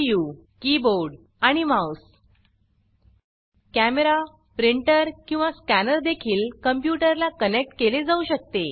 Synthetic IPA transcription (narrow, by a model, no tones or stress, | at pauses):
ju | kiboɾɖ | aɽ̃imaus | kæmeɾa | pɾiɳʈəɾkĩw̃ʋaskænəɾd̪ekʰiːlkəmpjuʈəɾlakənek̚ʈkeled͡zauɕək̚t̪e